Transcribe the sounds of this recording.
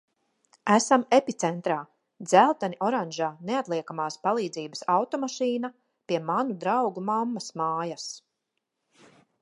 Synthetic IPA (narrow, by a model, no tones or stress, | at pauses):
æsamepit̪sɛnt̪ɾaː | d̪zælˠt̪aniʔɔɾanʲʒaːneat̪lˠiɛkamaːspalˠiːd̪ziːbəsawt̪ɔmaʃiːna | piɛmanud̪ɾawɡumamːasmaːjas